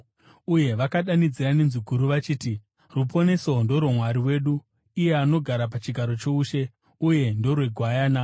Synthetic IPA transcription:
uje̞ʋakaɗanid͡ziɾanenzuɡʱuɾuʋat͡ʃiːti | rupo̞ne̞so̞ndo̞ɾwomwaɾiwe̞ːɗu | ije̞ano̞ɡʱaɾap̬at͡ʃiɡʱaɾo̞t͡ʃouːʃe̞ | uje̞ndo̞rwe̞ɡʱwajaːna

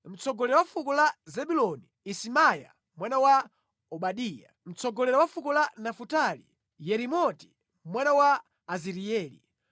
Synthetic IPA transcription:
m̩t͡sɔɡɔlɛɾawafukɔlazɛɓulɔni | isimaja̰ | mwanawa | ɔɓaɗiːja̰m̩t͡sɔɡɔlɛɾawafukɔlanafutalḭ | jɛɾimɔti̥ | mwanawaː | ziɾiɛːlḭ

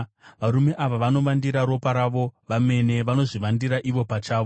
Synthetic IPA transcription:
ʋaɾume̞ʔaʋaʋano̞ʋandiɾaɾo̞paɾaʋo̞ʋame̞ne̞ʋano̞ʐiʋandiɾaʔiʋo̞pat͡ʃaːʋo

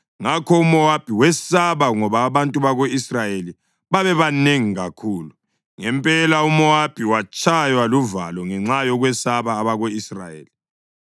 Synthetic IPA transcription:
ŋakʰɔumɔab̥ʱiwɛsaβaŋɔβaːβantʼuβaɣoisrajeli | βaβɛβaneŋiɣakʰuːlu | ŋɛmpʼɛlaumɔab̥ʱiwat͡ʃʰʼajwaluva̰lɔŋɛŋ͡ǁajɔɣwɛsaβaːβaɣoisra̰jḛːli

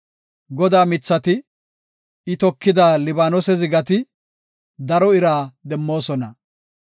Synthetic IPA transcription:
ɡɔd̪aːmɪt͡sːɐt̪ɪ | ɪt̪ɔkːɪd̪aːlɪbaːnɔsɛzɪɡɐt̪ɪ | d̪ɐɾɔɪɾaːd̪ɛmːo̞ːsɔnɐ

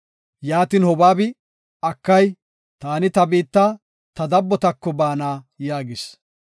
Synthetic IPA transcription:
jaːt̪iːnhɔbaːbɪ | ɐkːɐj | t̪aːnɪt̪ɐbiːt̪ːaː | t̪ɐd̪ɐbːɔt̪ɐkːɔbaːnaː | jaːɡɪs

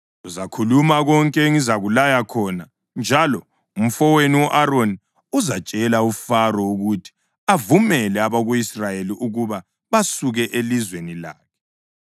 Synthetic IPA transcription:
uzakʰulumaɣɔŋkʼɛŋizaɣulajakʰɔːna | nd͡ʒʱalɔ | um̩fɔweniwɔʔaroni | uzḁt͡ʃʼɛlaufarɔuɣutʰi̥ | avumɛlɛaβaɣuisrajeliʔuɣuβa | βasuɣɛʔelizwenila̰ːkʰɛ̥

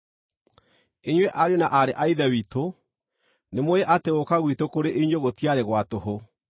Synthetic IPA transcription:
eɲwɛʔaɾjonaʔaɾeʔaiðɛwito | nemoeʔateokaɣwitokoɾeʔeiɲoɣotiaɾeɣwatoɦo

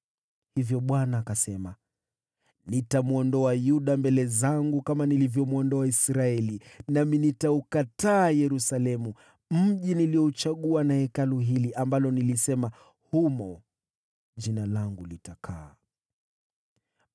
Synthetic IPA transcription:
hivjɔɓwanaːkasɛma | nitamuɔndɔajuɗambɛlɛzaŋɡukamanilivjɔmuɔndɔaisɾaɛlinaminitaukataːjɛɾusalɛmu | m̩ʄiniliɔut͡ʃaɠuanahɛkaluɦiliʔambalɔnilisɛma | humɔ | ʄinalaŋɡulitakʰaː

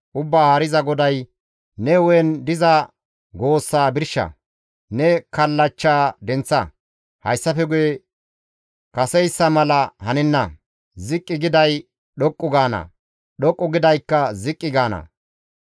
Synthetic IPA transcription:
ʔʊbːaːhaːɾɪzɐɡɔd̪ɐj | nɛwɔnd̪ɪzɐ | ɡo̞ːsːaːbɪɾʃːɐ̰ | nɛkɐlːɐt͡ʃːaːd̪ɛnt͡sːɐ | hɐ̰jsːɐfɛɡʊje | kɐsɛjsːɐmɐlɐhɐnɛnːɐ | zɪkʼːɪɡɪd̪ɐj | ɗɔkʼːʊɡaːnɐ̰ | ɗɔkʼːʊɡɪd̪ɐjkːɐzɪkʼːɪɡaːnɐ̰

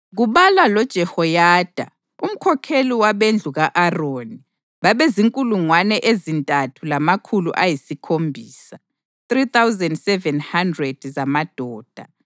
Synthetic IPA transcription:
ɣuβalalɔd̥ʒ̥ʱɛhɔjaːd̥ʱa̰ | um̩kʰɔkʰeliwaβend͡ɮʱuɣaʔaroni | βaβeziŋkʼuluŋwanɛʔezintʼatʰulamakʰuluʔajisikʰombʱiːsa | θrit̪awzɛndsɛvɛnhandrɛd̥zamad̥ʱɔːd̥ʱa̰

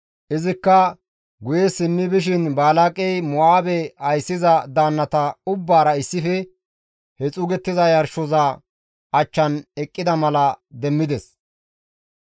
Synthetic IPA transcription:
ʔɪzɪkːɐ | ɡʊjesɪnːɪbɪʃ̬ɪnbaːlakʼɛjmɔaːbɛɐjsːɪzɐd̪aːnːɐt̪ɐʊbːaːɾɐɪsːɪfɛ | hɛt͡sʼʊɡɛt̪ːɪzɐjɐɾʃɔzɐ | ɐt͡ʃːɐnɛkʼːɪd̪ɐmɐlɐd̪ɛmːɪd̪ɛs

